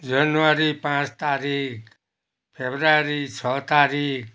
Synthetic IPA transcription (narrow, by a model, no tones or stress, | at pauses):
d͡ʒənuʋaɾipãt͡ʃt̪aɾikʰ | pʰebɾaɾit͡ʃʰɔt̪aɾik